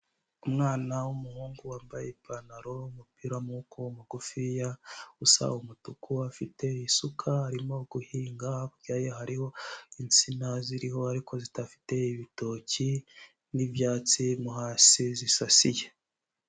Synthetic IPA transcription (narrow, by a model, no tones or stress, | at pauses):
umŋaːnawumuhuːŋɡuwaːmbajepanaɾo̞umupiɾamukʰoumuɡufijausa̰wumutukʰuafite̞isukʰaaɾimo̞ɡ̥uhiːŋɡakuɟaːjeɦaɾiho̞int͡sinaziɾiho̞aɾikʰo̞zitafi̥te̞iβito̞ci | nivjaːt͡simuɦaːsizisasije̞